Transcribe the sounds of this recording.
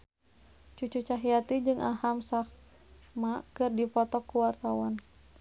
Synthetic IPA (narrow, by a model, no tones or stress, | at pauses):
t͡ʃut͡ʃut͡ʃaɦijat̪id͡ʒɨŋʔahamsah | makɨrdipɔt̪ɔkːuwart̪awan